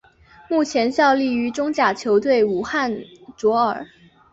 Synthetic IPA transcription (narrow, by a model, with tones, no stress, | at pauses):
mu˥˩t͡ɕʰjɛ˧˥nɕjɑ˥˧ʊli˥˩y˧˥ʈ͡ʂʊ˥ŋt͡ɕja˨˩t͡ɕʰjo˧˥ʊt̪we˥˩ɪu˨˩xa˥˩nt͡swɔ˧˥ə˞˨˩˦